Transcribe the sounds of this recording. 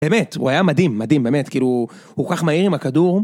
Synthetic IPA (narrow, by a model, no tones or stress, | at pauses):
bemetṵajamadimːadimbe̞ːme̞tkiːlu | hukokaχmaiʁimakaduʁ